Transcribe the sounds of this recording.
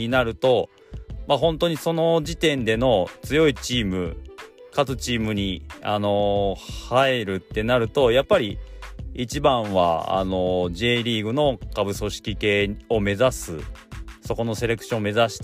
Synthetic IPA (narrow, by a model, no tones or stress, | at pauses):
inaɾɯ̟t̪o̞ | maɦõ̞nt̪o̞ɲ̟iso̞no̞d͡ʑit̪ẽ̞nd̪e̞no̞t͡sɨjo̞it͡ɕiːmɯ̟kat͡sɨt͡ɕiːmɯ̟ɲ̟iano̞hae̞ɾɯ̟t̪ːe̞naɾɯ̟t̪o̞japːaɾʲiit͡ɕibãɰ̃βa̰a̰no̞ʑe̞ːɾʲiːɡɯ̟no̞kabɯ̟so̞ɕi̥kʲike̞ːo̞me̞zasɨso̞ko̞no̞se̞ɾe̞kɯ̟̥ɕõːme̞zaɕi̥t̪